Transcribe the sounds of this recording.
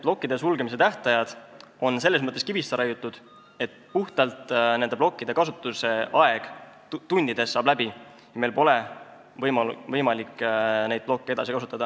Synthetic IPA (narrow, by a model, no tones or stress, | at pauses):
b̥lo̞kːid̪e̞sulɡe̞mis̬e̞t̪æht̪ɑjɑd̪̥o̞nse̞lːe̞s̬mɤt̪ˑːeskibist̪ɑɾɑjut̪ːˑud̪̥ | e̞t̪ːpuht̪ɑlt̪ne̞nd̪e̞blo̞kːid̪̥e̞kɑsut̪ːˑuse̞ʔɑe̞ɡ̥ | t̪unʲd̪̥id̪̥e̞sːɑːblæbi | jɑme̞jlpo̞le̞ | vɤjmɑvɤjmɑlikːne̞jd̪̚b̥lo̞kːe̞e̞d̪ɑsikɑsut̪ːˑɑd̪ɑ